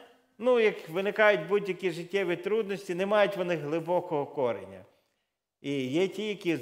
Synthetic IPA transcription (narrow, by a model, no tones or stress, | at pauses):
nujɐkʋɪnɪkɑjʊtʲbudʲjɐkʲiʒɪtʲːɛʋʲit̪ɾud̪nɔsʲtʲinemɑjʊtʲʋɔnɪɦlˠɪbɔkɔɦɔkɔɾḛnʲːɐ̰ | ijɛtʲijɐkʲi